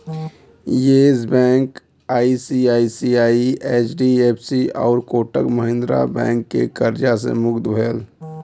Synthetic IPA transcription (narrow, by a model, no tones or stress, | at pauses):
jeːzbɛ̃ːŋk | aːisiaːisiaːieːt͡ʃɖieːpʰsiɔːɾkoːʈəkməɦɪ̃nd̪ɾa̰bɛ̰̃ːŋkːḛkəɾd͡ʒasḛmʊɡt̪bʱeːl